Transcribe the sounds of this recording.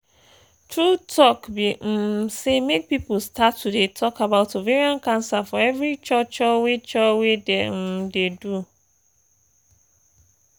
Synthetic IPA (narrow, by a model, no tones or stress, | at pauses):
tʰɹutʰɔkbim̩semek̚pipolstʰatʰːudetʰɔkʰabaʊtoveɹiɔ̃nkʰãnsafɔɛvɹit͡ʃɔt͡ʃɔwet͡ʃɔwedɛm̩dedu